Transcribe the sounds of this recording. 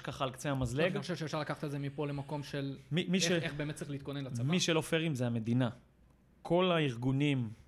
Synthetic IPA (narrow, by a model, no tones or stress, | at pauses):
kaχalkt͡seamazleiɡxoʃevʃefʃaʁlakaχḁt̪ezemipo̞le̞mako̞mʃelmimiʃeeχbeːmet̪t͡sʁixlit̪konenlamiʃelofeʁimzeame̞d̪ina | kʰo̞laiʁɡunim